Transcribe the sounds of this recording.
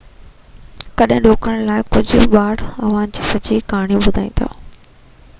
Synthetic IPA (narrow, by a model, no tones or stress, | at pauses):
kɐɗɦɪ̃ɗoːkɾəɽ̃laːɪkʊd͡ʑʱʊɓaːɽɐʋ̤ãnd͡ʑiːsɐt͡ɕikaːɽ̃ijũbʊd̪ʱaːĩːn̆d̪a̰ː